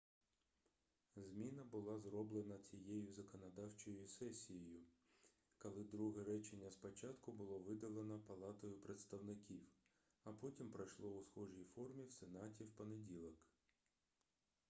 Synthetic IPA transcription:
zʲmʲinɐbʊlˠɑzrɔblˠenɐt͡sʲijejʊzɐkɔnɐd̪ɑwt͡ʃɔjʊsɛsʲijɔjʊ | kɔlˠɪd̪ɾuɦɛɾɛt͡ʃenʲːɐspɔt͡ʃɑt̪kʊbʊlˠɔʋɪd̪ɐlˠenɔpɐlˠɑt̪ɔjʊpɾet̪st̪ɐwnɪkʲiw | ɐpɔtʲimpɾɐjʃlˠɔʊsxɔʒijfɔrmʲiwsenɑtʲiwpɔnedʲilˠɔk

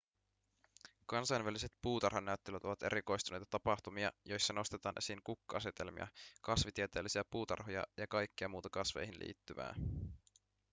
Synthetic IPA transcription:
kɑnsɑjnʋælise̞t̪puːt̪ɑrhonæøt̪ːelyt̪o̞ʋɑt̪e̞̰ɾikojst̪une̞jt̪ɑ̥t̪ɑpɑxt̪umiɑ̰jo̞jsːɑno̞st̪e̞t̪ɑːnʔe̞siŋkukːuɑset̪e̞lmḭɑ̰kɑsʋit̪iet̪e̞ːlːisiæpuːt̪ɑ̰rɦojɑ̰jɑkɑjkːiɑmuːt̪ɑkɑsʋe̞̰jɦinlḭːt̪ːyʋæ̰ː

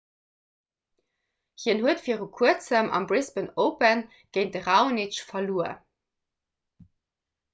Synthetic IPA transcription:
hiənhuətfiːəʁukʰuət͡səmʔɑ̰mbʁɪspənoʊpən | ɡ̥eɪnt̚dəʁaʊnit͡ʃfɐluːə̰

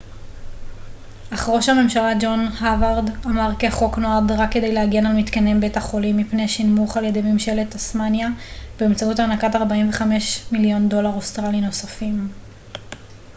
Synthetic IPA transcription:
ʔaχʁoʃame̞mʃalad͡ʒo̞nhavaʁdamaʁkeaχoknoad̪ʁakːe̞dejlehaɡjenalmit̪kane̞mbetaχo̞limːipneʃinmuχaljedemimʃeletasmanjab̥eːmt͡sautaːnakataʁbaimve̞χame̞ʃmiljo̞ndo̞laʁost̪ʁalino̞safim

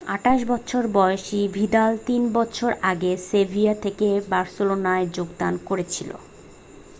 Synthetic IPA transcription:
a̰ʈaʃbɔtːɕʰoɾbɔoʃibʱid̪alt̪inbɔtːɕʰoɾaɡesebʱiat̪ʰekebaɾsolonaed͡ʑoɡd̪ankoɾet͡ɕʰilo̰

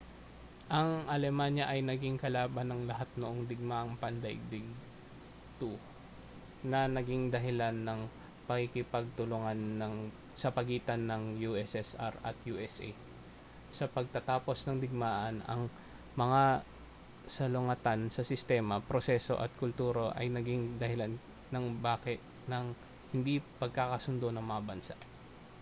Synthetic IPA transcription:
ʔɐŋʔɐlɛmanjɐʔɐjnɐɡiŋkɐlaːbɐnːɐŋlɐɦat̪̚noʔoŋd̪ɪɡ̚maʔɐŋpɐnd̪ɐɡ̚d̪ɪɡ | t̪u | nɐnɐɡiŋd̪ɐɦɪlanːɐŋ | pɐkɪkɪpɐɡ̚t̪ʊlʊŋanːɐŋ | sɐpɐɡiːt̪ɐnːɐŋjuʔɛsɛsa̰ɾɐ̰t̪juːʔɛsʔɛ̰ | sɐpɐɡ̚t̪ɐt̪aːpo̞snɐŋd̪ɪɡ̚maːʔɐnɐ̰ŋ | mɐŋa | sɐlʊŋɐt̪ansɐsɪst̪ɛːmɐpɾosɛso̞̰ʔɐ̰t̪̚kʊlt̪uːɾoʔɐ̰jnɐɡɪŋd̪ɐhɪlan | nɐŋbaːkɛt̪ | nɐŋ | hɪnd̪ipɐɡ̚kakɐsʊnd̪onɐŋmɐŋabɐnsa̰ʔ

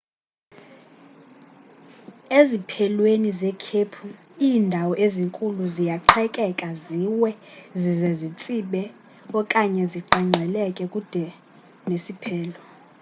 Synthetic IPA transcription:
ezipʰɛlwenizɛkʰepʰu | iːndʱawɔʔeziŋkʼuluzijaǃʰɛkʼɛkʼaziwɛzizɛzit͡sʼiɓɛ | ɔkʼaɲɛziǃaŋ͡ǀʱɛlɛkʼɛkʼud̥ʱɛ | nesipʰɛːlɔ

